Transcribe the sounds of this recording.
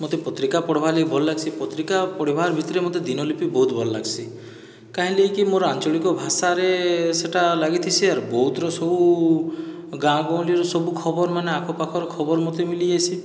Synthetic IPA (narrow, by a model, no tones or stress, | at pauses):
mot̪epɔt̪ɾikapɔɽbʱalejbʱɔlɔlaɡsipɔt̪ɾikapɔɽibʱaɾbʱit̪ɾemot̪ed̪inɔlipibɔɦut̪bʱɔlɔla̰ɡsʰi | kaɦĩlejkimoɾɔant͡ʃɔɭikɔbʱasaɾeseʈʰalaɡit̪ʰisʰiaɾbɔɦut̪ɾɔsɔbu | ɡãɡɔ̃w̃liɔɾɔsɔbukʰɔbɔɾɔmaneakʰɔpakʰɔɾɔkʰɔbɔɾɔmot̪emiliesʰi